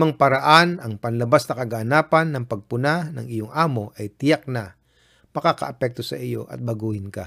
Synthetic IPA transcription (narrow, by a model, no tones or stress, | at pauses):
maŋpɐɾɐʔanɐŋpɐnlɐbasnɐkɐɡanaːpɐnːɐŋpɐɡ̚pʊnanɐŋɪjoŋʔaːmo̞ʔɐjt̪ɪjak̚na | mɐkakɐ̰ʔɐpɛk̚t̪o̞sɐ̰ʔɪjo̞̰ʔɐ̰t̪̚bɐɡuːhɪnka̰